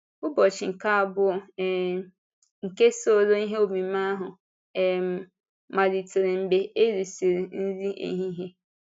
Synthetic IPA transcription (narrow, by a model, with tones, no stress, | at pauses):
ʊ˦bɔ˨t͡ʃɪ˨ŋ̩˨ka˦˨bʊ˦ɛ˨ | ŋ̩˨ke˦so˦o˦˨lo˦ni˦ɦe˦o˨mĩ˨mã˦ɦʊ˨ | ɛ˨ | mã˨di˨tʰɪ˨ɾɪ˨m̩˨be˨e˦ɾi˨si˨ɾi˨n̩˦zi˦ʔḛ˨ɦĩ˦ɦe˦